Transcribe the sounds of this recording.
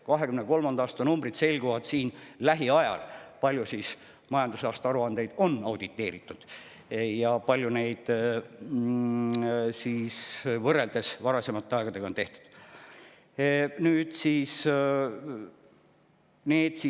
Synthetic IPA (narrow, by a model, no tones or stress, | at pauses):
kɑɦe̞kymneko̞lmɑnd̪ɑːst̪ɑnumbrid̪se̞lɡ̥uvɑd̪̥siːnlæɦiɑjɑ̰lpɑlʲjusis | mɑjɑnd̪usɑːst̪ɑɑɾuɑnd̪e̞jd̪̥o̞nːɑwd̪̥it̪ːˑe̞ːɾit̪ːˑud̪̥ | jɑpɑlʲjune̞jd̪̥ | siːsvɤre̞ld̪e̞svɑɾɑse̞mɑt̪ːeɑeɡ̥ɑd̪e̞ɡɑo̞nt̪e̞ht̪u̥d̪̥ | nyːd̪̥siːs | ne̞ːd̪̥si